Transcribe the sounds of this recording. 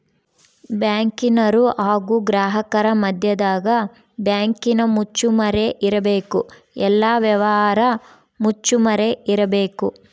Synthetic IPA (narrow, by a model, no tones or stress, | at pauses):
bjaːŋkinɐɾuʔaːɡuɡɾaːɦɐkɐɾɐmɐd̪ʱjɐd̪aːɡɐ | bjaːŋkinɐmut͡ʃːumɐɾeʔiɾɐbeːku | ɛlːaːʋjɐʋɐɦaːɾɐ | mut͡ʃːumɐɾe̞ʔiɾɐbe̞ːku